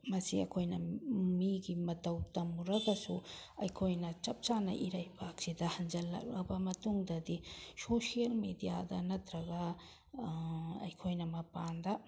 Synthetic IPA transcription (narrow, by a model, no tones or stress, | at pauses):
mɐsiɐ̰kʰojnɐmiɡimɐtɐwtɐmuɾɐɡɐsuɐjkʰojnɐt͡ʃɐp̚t͡ʃanɐ̰ʔiɾajpʰak̚sidɐhɐnd͡ʒɐlːɐ̰k̚ɐ̰bɐmɐtuŋdɐdisosijɐlmedijadɐnɐt̪ʰɾɐɡɐ | ɐ̰jkʰojnɐmɐpandɐ